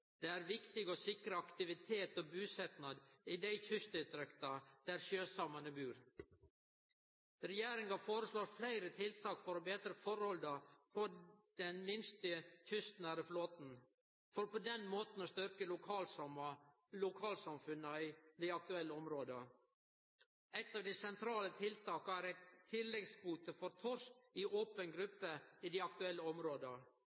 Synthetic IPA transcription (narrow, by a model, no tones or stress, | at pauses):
d̪̥eːæːɾʋɪkt̪ɪɡoːsɪkɾəɑkt̪ɪʋɪt̪ʰeːt̪oːbʉːsɛt̪nɑd̪iːd̪æɪçʏst̪ɪt̪ɾɛkt̪ɑd̪̥æɾʃjøːsɑmɑnəbʉːɾ | ɾɛjeːɾɪŋɑfoːɾəsloːɾflæɪɾət̪ʰɪlt̪ʰɑːkfɔɾoːbeːd̪ɾəfɔɾhɔld̪ɑfɔd̪̥ɛnmɪnst̪əçʏst̪næːɾəfloːt̪n̩ | fɔɾpɔd̪ɛnmoːt̪n̩ɔst̪ʏɾkəlʊɑm | lʊkʰɑːlsɑmfʉnəɪd̪ɪɑk̚t̪ʉɛlːəɔmɾoːd̪ə | ɛɪt̪ːɑːʋd̪ɛsɛnt̪ʰɾɑːlət̪ʰɪlt̪ɑːkəæɾæɪt̪ʰːɪlːɛɡsbuːt̪əfɔɾt̪ʰɔɾsɪʔoːpənɡɾʉpːəɪd̪æɑk̚t̪ʉɛlːəɔmɾoːd̪ə